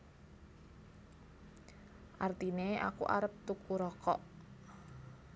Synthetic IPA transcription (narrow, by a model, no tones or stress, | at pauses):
ʔart̪inea̰kṵʔa̰ɾəp̚t̪ukuɾɔkɔ̰ʔ